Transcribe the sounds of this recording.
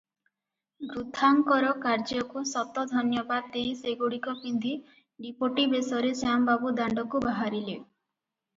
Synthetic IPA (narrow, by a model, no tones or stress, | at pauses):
ɡɾud̪ʱːaŋkɔɾɔkaɾd͡ʒɔkusɔt̪ɔd̪ʱɔnjɔbad̪̚ːeiseɡuɽikɔpind̪ʱi | ɖipoʈibesɔɾesambabud̪aɳɖɔkubaɦaɾile